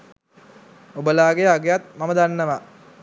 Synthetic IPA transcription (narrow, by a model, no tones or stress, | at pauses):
obəlaːɡejəaɡejat̪maməd̪anːəʋa